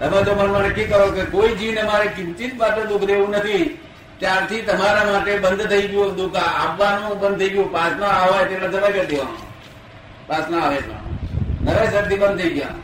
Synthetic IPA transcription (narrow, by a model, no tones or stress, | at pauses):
t̪əmẽd͡ʒomənʋəneʈʰikːəɾokekoid͡ʒinəmaɾekɪ̃nt͡ʃit̪baʈẽd̪ʊkʰɾeʋũnət̪ʰi | t̪jaɾt̪ʰit̪əmaɾamaʈebənd̪ʱt̪ʰəiɡjõd̪ʊkʰãabːanũbə̃nd̪̚t̪ʰəiɡjõpasnaaʋajt̪eãd͡ʒəlaked̪eʋã̰n̰ | paːsnaaʋed͡ʒʋã̰nəʋesəd̪ibə̃nd̪̚t̪ʰəiɡjã̰